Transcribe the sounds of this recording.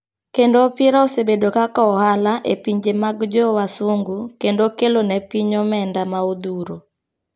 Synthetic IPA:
kendopɪɾaosebedokakaɔhalaʔepiɲd͡ʒemaɡd͡ʒɔwasoŋɡukendokelonɛpiɲomɛndamaod̪uɾo

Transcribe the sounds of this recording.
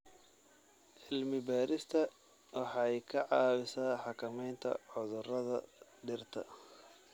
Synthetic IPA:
ʕɪlmɪbaːɾɪst̪ʰɐ | wɑħɑɛjkʰɐʕɑːwɪsaːħɑkʰɐmɛjnt̪ʰɐ̰ʕʊðʊrɐðɐ̰ɖɪrt̪ʰɐ̰

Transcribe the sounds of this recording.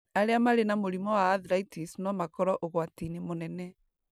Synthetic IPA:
aɾeamaɾenamoɾimɔwaːðɾaitisnwɔmakɔɾɔʔoɣwatinemonɛnɛ

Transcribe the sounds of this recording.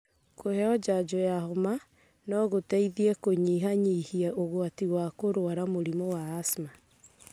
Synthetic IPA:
kʰohɛɔd͡ʒad͡ʒojahoma | nɔɣotɛiðiɛkoɲiɦaɲihiɛʔoɣwatiwakoɾwaɾamoɾimowaːsma

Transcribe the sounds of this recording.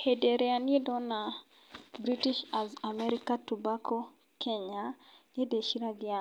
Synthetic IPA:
hedeɾɛanidɔna | bɾitiʃazamɛɾikatubako | kʰɛɲa | edeʃiɾaɡia

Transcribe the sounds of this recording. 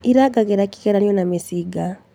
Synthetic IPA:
iɾaɡaɣɛɾaki̥ɣɛɾanjɔnamesiɡa

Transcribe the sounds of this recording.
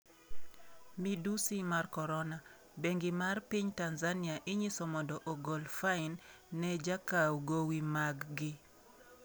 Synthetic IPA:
midusimarkɔɾɔna | beŋɡɪmarpiɲtanzaniaʔɪɲisɔmɔndɔʔoɡɔlfaɪnː | ɛd͡ʒakawɡowimaɡːɪ

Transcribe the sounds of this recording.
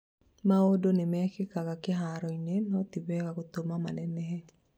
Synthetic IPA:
maodonemɛkɪkaɡakɪɦaɾɔinenɔt̪ibɛkakot̪omamanɛnɛɦe

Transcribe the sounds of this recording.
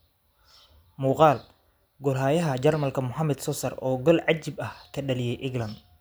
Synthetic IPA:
muːqɑːl | ɡɔlɦaːjɐɦɐd͡ʒɐrmɐlkʰɐmʊħamɛd̪sɔsɐrɔːɡɔlʕɑt͡ʃːɪbɐhkʰɐɗɐlɪjɛjʔɪɡlɐnd̪

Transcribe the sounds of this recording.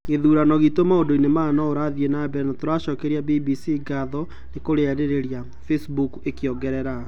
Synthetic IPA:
ŋeðuːɾanɔɣitomaondoinemanɔoɾaðienabɛnatoɾaʃɔkɛɾiabibisiɡaðɔ | nekoɾeɛɾeɾeɾja | fesbukekjɔɡɛɾɛɾa

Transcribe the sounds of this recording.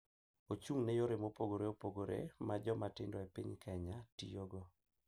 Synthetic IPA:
ot͡ʃuŋnɛjoɾɪmopoɡoɾeopoɡoɾḛmad͡ʒɔmatɪndɔepḭɲkʰɛɲatḭjoɡɔ

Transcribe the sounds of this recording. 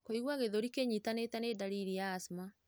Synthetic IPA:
koiɣwaɣeðoɾikeɲitanetanedaɾiɾijaːsma

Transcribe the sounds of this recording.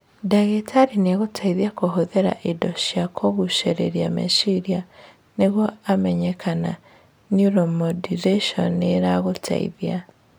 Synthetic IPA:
daɣetʰaɾineɣotʰaiðiakoɦoðɛɾa̰ʔidɔɕjakʰoɣuʃeɾḛɾiamḛsiɾia | neɣwɔamɛɲɛkʰana̰ | njuɾɔmɔdiɾeʃɔneɾaɣotʰa̰ḭðia

